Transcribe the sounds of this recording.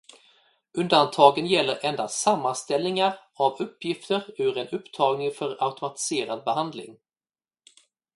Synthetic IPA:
ɵnd̪ant̪ʰɑːɡənjɛlːəɾɛnd̪asamːanst̪ɛlnɪŋaɾ | avɵpʰːjɪft̪əɾʉ̟ːɾɛnɵpːt̪ʰɑːɡnɪŋfœɾaʊt̪ʊmat̪ɪ̥seːɾad̪̚bɛɦand̪lɪ̰ŋ

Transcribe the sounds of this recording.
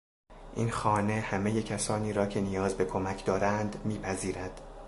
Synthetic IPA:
ʔḭːnxɒːnehæmeje̞cʰæsɒːniːɾɒːcʰe̞nijɒːzbe̞kʰo̞mæcʰd̪ɒːɾænd̪miːpʰæziːɾæd̪̥

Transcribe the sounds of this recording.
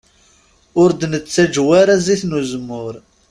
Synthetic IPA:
ʊɾd̪nət͡sːæd͡ʒwaɾaziθnuzəmːʊɾ

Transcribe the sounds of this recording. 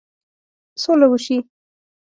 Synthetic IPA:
solawəʃi

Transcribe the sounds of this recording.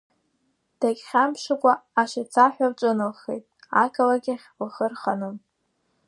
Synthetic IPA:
d̥akʲχʲampʰʂɨkʷʼaːʃat͡sʰaħʷᶣaʈ͡ʂʷʼɨnɨlχḛjtʼakʰʼalaɡʲɪχʲlχərχanɨm

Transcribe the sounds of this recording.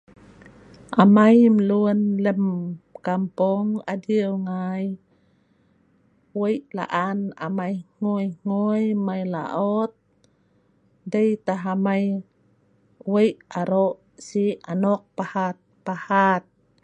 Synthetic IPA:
ʔamajməluənləmkampɔŋa̰diəwŋaj | wəjʔla̰ʔana̰majŋojŋojmajla̰ʔot̪̚ | dəjt̪aɦamaj | wəjʔaɾoʔ | sianɔk̚pahat̪̚pahat̪̚

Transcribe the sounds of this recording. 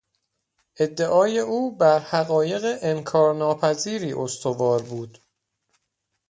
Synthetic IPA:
ʔe̞d̪ːeʔɒːje̞uːbæɾhæɣɒːje̞ɣeʔemkʰɒːɾnɒːpʰæziːɾiːʔost̪ʰo̞vɒːɾbuːd̪̥

